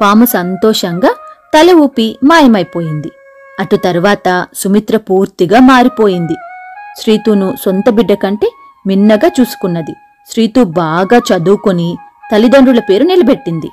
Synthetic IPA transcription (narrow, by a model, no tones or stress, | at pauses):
paːmusɐnt̪ɔːʂɐŋɡaːt̪ɐlɐʋuːpimaːjɐmɐjipo̞ːjind̪i | ɐʈut̪ɐɾuʋaːt̪ɐsumit̪ɾɐpuːɾt̪iɡaːmaːɾipo̞ːjind̪iʃɾiːt̪uːnusont̪ɐbiɖːɐkɐɳʈe̞ː | minːɐɡaːt͡ʃuːsu̥kunːɐd̪i | ʃɾiːt̪uːbaːɡaːt͡ʃɐd̪uːkoni | t̪ɐlid̪ɐɳɖulɐpe̞ːɾunilɐbe̞ʈːind̪i